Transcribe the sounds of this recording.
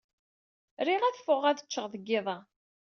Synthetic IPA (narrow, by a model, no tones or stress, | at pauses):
ɾiʁæðfʊʁæðət͡ʃːəʁðˤəɡːɪðˤɑ